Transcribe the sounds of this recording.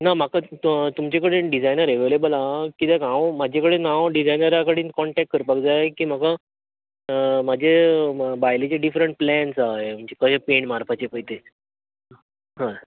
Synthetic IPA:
namakat̪umt͡ɕekəɽeɖid͡zajnəɾeʋelebəlakit̪ekãʋmad͡ʑʱekəɽenãʋɖid͡zajnəɾakəɽiːnkɔɳʈɛk̚ʈ̚kəɾpakd͡zaekiːm̤aka | mad͡ʑʱebajlet͡ɕaɖifɾəɳʈ̚plɛnsaɦem̤əɳt͡ɕekəɕapeɳmaɾpʰat͡ɕepəit̪e | ɦã

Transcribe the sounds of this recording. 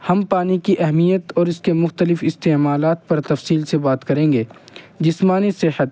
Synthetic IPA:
hɐmpaːnikiʔɛɦmijət̪ɔːɾɪskemʊxt̪əlɪfɪst̪eːmaːlaːt̪̚pɐɾt̪ɐfsiːlsebaːt̪kɐɾẽːŋɡeːd͡ʒɪsmaːnisɪhət̪̚

